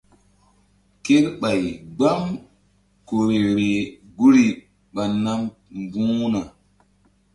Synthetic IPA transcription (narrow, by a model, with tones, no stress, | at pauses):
ke˦ɾɓa˨jɡ͡ba˦m | ko˨ɾe˨ɾe˨ɡu˦ɾi˨ | ɓa˨nːa˦m | mbũː˦na˨